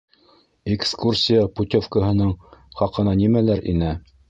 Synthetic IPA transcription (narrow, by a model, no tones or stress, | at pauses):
ekskursʲijəput̪ʲofkəɦɤ̆nɤɴχɑqɤ̆nɑnimælæɾḭnæ